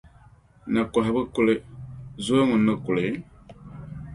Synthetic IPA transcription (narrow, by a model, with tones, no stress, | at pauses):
na˨kɔ˨ɦa˨bɨ˦ku˦le˦zu˦o˦ŋu˨nɨ˦ku˨le˨